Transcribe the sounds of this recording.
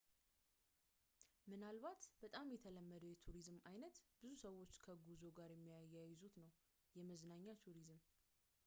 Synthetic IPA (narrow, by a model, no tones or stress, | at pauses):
mɨnalβat̪b̥ət̪ʼamjɛt̪ʰələmːəd̪əjɛt̪ʰuɾizmajnət̪b̥ɨzusəwːo̞t͡ʃːkʰəɡuzo̞ɡaɾjɛmːijajːajzut̪nəw | jɛməznaɲːat̪ʰuɾizɨm